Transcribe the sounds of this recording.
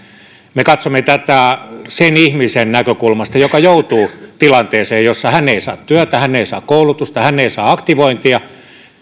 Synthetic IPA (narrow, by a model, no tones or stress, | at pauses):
mekɑt̪somːet̪æt̪æsenihmisennækøkulmɑst̪ɑjokɑjout̪uːt̪ilɑnt̪eːseːjjosːɑhænːeisɑ̰ːt̪t̪yæt̪æhænːeisɑ̰ːkkoulut̪ust̪ɑhænːeisɑːɑkt̪iʋoint̪iɑ